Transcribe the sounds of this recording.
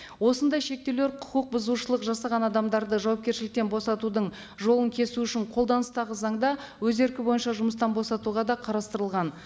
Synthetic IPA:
wo̞sənd̪ɑjʃe̞k̚t̪e̞wle̞ɾqʰʊ̥qəq̚bʊzuʃəlˠəqʒɑsɑʁɑnɑd̪ɑmd̪ɑɾd̪əʒɑwɑp̚kʲe̞ɾʃɪlɪk̚t̪e̞nbo̞sɑt̪ud̪əɴ | ʒo̞lˠəŋkʲʰe̞suʏʃɪɴqʰo̞lˠd̪ɑnəst̪ɑʁəzɑɴd̪ɑ | wɵze̞ɾkʲɪbo̞jənʃɑʒʊməst̪ɑnbo̞sɑt̪uʁɑd̪ɑqʰɑɾɑst̪əɾəlˠʁɑn

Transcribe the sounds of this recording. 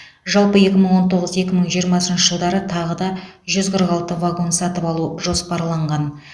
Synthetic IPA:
ʒɑlˠpəe̞kʲɪməɴwo̞nt̪ʰo̞ʁəzəe̞kʲɪməɴʒijəɾmɑsənʃəʒəlˠd̪ɑɾət̪ʰɑʁəd̪ɑ | ʒʏzqʰəɾʁɑlˠt̪əvaɡo̞nsɑt̪əpɑlˠuʒo̞spɑɾlˠɑɴʁɑn

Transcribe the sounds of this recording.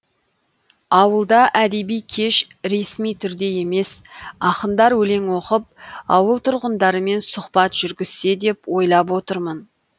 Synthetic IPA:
ɑwəlˠd̪ɑʔæd̪e̞bijkʲʰe̞ʃ | ɾe̞smijt̪ʰʏɾd̪e̞je̞me̞sɑqənd̪ɑɾwɵle̞ŋwo̞qəp̚ɑ̰wəlˠt̪ʰʊɾʁənd̪ɑɾəme̞nsʊχpɑt̪ʒ̥ʏɾɡʲɪz̥se̞d̪e̞pwo̞jlˠɑp̬wo̞t̪əɾmən

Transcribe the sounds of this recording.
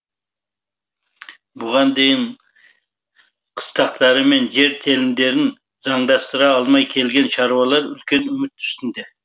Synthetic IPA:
bʊʁɑnd̪e̞jɪn | qʰə̥st̪ɑqt̪ʰɑɾəme̞nʒe̞ɾt̪ʰe̞lɪmd̪e̞ɾɪn | z̥ɑɴd̪ɑst̪əɾɑːlˠmɑjkʲʰe̞lɡʲe̞nʃɑɾuwɑlˠɑɾʏ̰lkʲe̞nʏmɪt̪ʰːʏ̥st̪ɪnd̪e

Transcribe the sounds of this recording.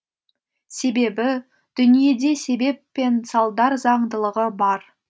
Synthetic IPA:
se̞be̞bɪ | d̪̥ʏnije̞d̪e̞se̞be̞pːe̞nsɑlˠd̪ɑɾzɑɴd̪əlˠəʁəbɑɾ

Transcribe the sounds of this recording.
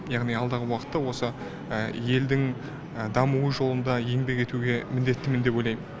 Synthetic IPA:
jɑʁnijɑlˠd̪ɑʁəwɑqə̥t̪ːɑwo̞sə | əje̞ld̪ɪŋ | əd̪ɑmuwəʒo̞lˠənd̪ɑje̞ŋbe̞ke̞t̪uɡʲe̞mɪnd̪e̞t̪ːɪmɪnd̪e̞po̞jlˠɑjmən

